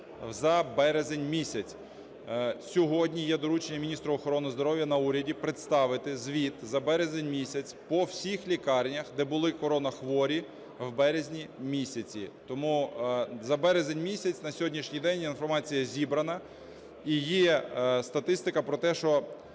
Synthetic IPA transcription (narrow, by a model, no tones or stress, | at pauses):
zɐbɛɾezenʲmʲisʲɐt͡sʲ | sʲɔɦɔdʲnʲijɛd̪ɔɾut͡ʃenʲːɐmʲinʲist̪ɾʊɔxɔɾɔnɪzd̪ɔɾɔwjɐnɐuɾʲɐdʲipɾɪt̪st̪ɑʋɪt̪ɪzʋʲit̪zɐbɛɾezenʲmʲisʲɐt͡sʲpɔwsʲixlʲikɑrnʲɐxd̪ɛbʊlˠɪkɔɾɔnɐxʋɔɾʲi | wbɛɾezʲnʲimʲisʲɐt͡sʲḭt̪ɔmuzɐbɛɾezenʲmʲisʲɐt͡sʲnɐsʲɔɦɔdʲnʲiʃnʲijd̪ɛnʲjinfɔrmɑt͡sʲijɐzʲibɾɐnɐ | ijist̪ɐt̪ɪst̪ɪkɐpɾɔt̪ɛʃt͡ʃɔ